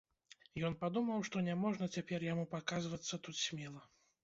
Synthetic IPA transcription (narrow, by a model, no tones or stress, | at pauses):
jɔnpad̪umɐwʂt̪ɔnʲamɔʐnɐt͡sʲapʲɛrjamupakazvɐt̪sːɐt̪ut̪sʲmʲɛlˠɐ